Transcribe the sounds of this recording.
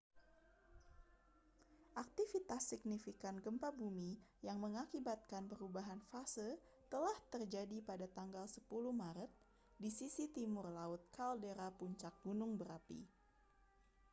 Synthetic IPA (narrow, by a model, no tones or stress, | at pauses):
ʔak̚t̪ifit̪asːik̚nifikanɡəmpabumijaŋməŋakibat̪̚kanpəɾubaɦanfasə | t̪əlaht̪ərd͡ʒadipadat̪aŋɡalsəpuluhmaɾət̪̚ | disisit̪imʊrlaʊt̪̚kaldeɾapuɲt͡ʃak̚ɡunʊŋbəɾapḭ